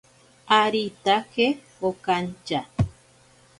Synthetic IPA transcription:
aɾit̪ake | okant͡ʃa

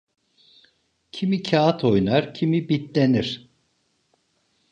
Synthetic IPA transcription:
cʰimicʰaat̪ʰo̞jnaɾcʰimibit̪lʲeniɾ̥

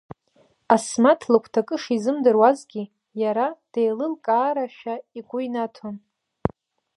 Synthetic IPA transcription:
asmatʰlɨkʷʰtʰakʼɨʂizɨmdɨrwazɡʲi | jaɾad̥ejlɨlkʼaːɾaʃᶣaiɡʷʼʊinatʰon

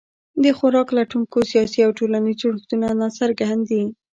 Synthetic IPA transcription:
d̪əxʊɾɑklaʈuŋkosijɑsiawʈolanizɽuxt̪unanɑsəɾɡand̪i

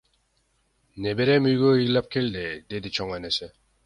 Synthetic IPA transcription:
nebeɾemyɡojik̚lap̚kʰeld̪ed̪ed̪it͡ɕʰɔŋwenese

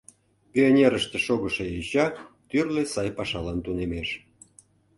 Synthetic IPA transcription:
pʲionʲeɾəʃt̪eʃoɣəʃeiɕɑ | t̪yrlesɑjpɑʃɑlɑnt̪unemeʃ

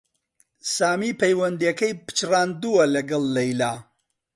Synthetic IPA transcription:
saːmiːpʰɐjwɐnd̪ijɐkɐjpɨ̥t͡ʃraːnd̪uɐlɐɡɐlˠːɐjlaː

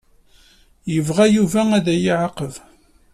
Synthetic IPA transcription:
jəvʁæjuvææðæjiʕəqəv

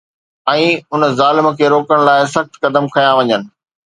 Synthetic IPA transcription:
ɛ̃ːʊnəzaːlɪmə̆kʰeːɾoːkəɽ̃laːɪsɐxt̪kɐd̪əmkʰɐjãʋɐɲənɪ̆

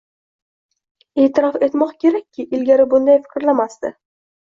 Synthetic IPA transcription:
e̞ːt̪ʰɪɾɒfe̞t̪mɒqkʲʰe̞ɾakʲʰːɪʔɪlɡʲaɾɪbʊnd̪ajfɪ̥kʲɾlamast̪ɪ

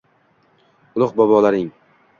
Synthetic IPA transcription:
ʊlˠʊq̚bɒbɒlaɾɪŋ

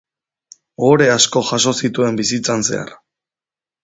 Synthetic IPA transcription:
o̞ɾe̞asko̞ʝaso̞sit̪ue̞mbisit͡sanse̞̰a̰r

